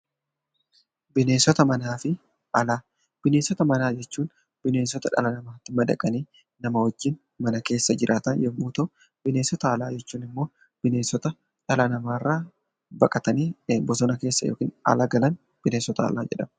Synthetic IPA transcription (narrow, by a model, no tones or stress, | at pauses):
bɪneːsɔt̪ɐmɐnaːfɪ | ɐlaː | b̥ɪneːnsɔt̪ɐmɐnaːd͡ʒɛt͡ʃːuːn | b̥ɪne̞ːnsɔt̪ɐᶑɐ̰lɐnɐmaːt̪ːɪmɐd̪ɐkʼɐneː | nɐmɐwɐd͡ʒːɪn | mɐnɐke̞ːsːɐd͡ʒɪɾʔaːt̪ɐnjɛmːuːt̪o | b̥ɪneːnsɔt̪ɐɐlaːd͡ʒɛt͡ʃːuːnɪmːo̞ː | b̥ɪne̞ːnsɔt̪ɐ | ᶑɐlɐnɐmaːrːaː | bɐkʼɐt̪ɐneːbɔsɔnɐke̞ːsːɐjo̰ːkiːnɐ̰lɐɡɐlɐn | b̥ɪneːnsɔt̪ɐ̰ːlaːd͡ʒɛ̰ᶑɐm